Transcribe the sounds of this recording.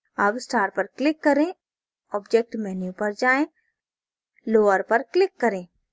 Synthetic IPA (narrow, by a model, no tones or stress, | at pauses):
aːpsʈaːɾpɐɾklɪkːɐɾẽ | ɔːbd͡ʒek̚ʈmɛːnjupɐɾd͡ʒaːẽ | loːəɾpɐɾklɪkːɐɾẽː